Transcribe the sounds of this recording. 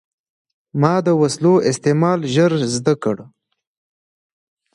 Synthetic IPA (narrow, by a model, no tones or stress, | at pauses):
mɑːd̪əwasloʔɪst̪emɑlʒəɾzd̪akəɽ